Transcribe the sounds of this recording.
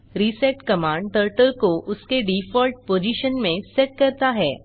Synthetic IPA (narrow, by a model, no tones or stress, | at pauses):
ɾiseʈkɐmaːɳɖ̚ʈəɾʈəlkoʔʊskeɖiːfɔːlʈ̚poːd͡ʒiːʃənmẽseʈ̚kɐɾt̪aɦɛː